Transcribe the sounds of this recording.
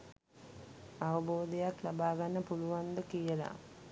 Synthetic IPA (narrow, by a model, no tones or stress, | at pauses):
aʋəboːd̪ejaklabaːɡanːəpuluʋand̪əkijəla̰